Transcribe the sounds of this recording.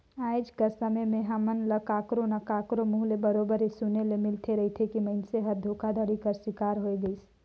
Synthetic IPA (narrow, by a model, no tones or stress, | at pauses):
aːɪd͡ʒkəsəməjmẽɦaːmənləkaːkɾonɐkaːkɾomʊɦlebəɾoːbəɾesunelemɪlt̪ʰeɾɐɦit̪ʰekimɐɪnseɦɐɾd̪ʱoːkad̪ʱəɽikɐɾswɪkaːɾɦoeɡəis